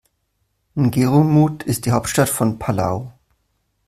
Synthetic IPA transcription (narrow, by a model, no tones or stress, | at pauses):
nɡeʁomuːtʰɪst̚d̥iːɦaʊp̚tʃtatfɔnpʰala̰ʊ